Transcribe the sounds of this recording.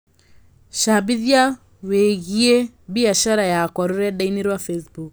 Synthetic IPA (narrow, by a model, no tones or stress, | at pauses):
ʃabiðja | weɣie | biaʃaɾajakɔɾoɾɛɗainiɾwafɛsbuk